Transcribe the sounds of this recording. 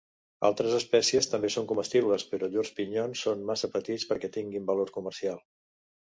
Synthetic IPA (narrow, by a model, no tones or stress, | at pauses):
a̰lˠt̪ɾəzəspɛsiəst̪əmbesoŋkuməst̪iβləspəɾɔʎorspiɲonsːonmasəpət̪it͡spəɾkɛt̪iŋɡimbəloɾkuməɾsialˠ